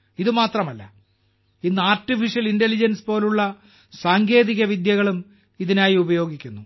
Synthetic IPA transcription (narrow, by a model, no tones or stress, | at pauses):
iðɨmaːt̪rɐmɐlːɐ̰ | inːɨaːrtifiʂjɐlindelid͡ʑɐnspo̞ːluɭːɐ | saːŋɡe̞ːðiɣɐʋid̪jɐɣɐɭum | iðinaːjiubɐjo̞ːɡikʲːunːu